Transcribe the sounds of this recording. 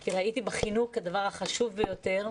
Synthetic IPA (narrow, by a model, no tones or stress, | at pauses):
kiʁait̪ibeχinuχhad̪avaʁaχaʃuvbejo̞t̪e̞ʁ